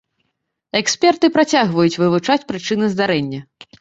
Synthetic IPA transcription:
ɛksʲpʲɛrt̪ɨpɾat͡sʲaɣvɐjut͡sʲvɨvut͡ʂat͡sʲpɾɨt͡ʂɨnɨzd̪aɾɛnʲːɐ

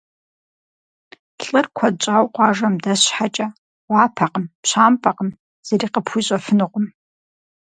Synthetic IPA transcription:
ɬʼɨrkʷʰat͡ʃʼawqʷʼaʐɐmdaɕħat͡ʃʼɐ | wʷɑːpʰaqəmpɕʷaːmpʰʼaqəm | z̥aɾiːqəpʰuɕʷʼɐfɨnɨqʷʊm

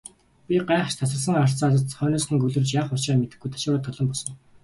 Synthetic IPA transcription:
pʲiɢaːχ̆ʃt̪ʰasə̆ɮsə̆ŋar̥t͡sat̪̬ə̆t̪t͡sχœːniːsχĭŋɡɵɮɵ̆rt͡ɕjaːχʊt͡ɕămet̪ɘ̆ɡujt̪ʰḁʃʊːɾaːt̪ʰːɔɮɞ̆mpɔsɞ̆ŋ

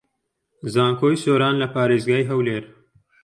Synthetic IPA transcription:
zaːŋkʰoːjsoːɾaːnlɐpaːɾeːzɡaːjɦɐwleːɾ

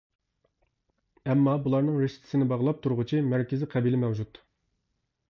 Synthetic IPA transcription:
ɛmːɑbulˠɑɾnɨŋɾeʃt̪ʰɪ̥sɪnɪbɑʁlˠɑp̚t̪ʰuɾʁʊt͡ʃʰimæɾkʲɪzɪqʰɛbilɪmɛwd͡ʒut̪

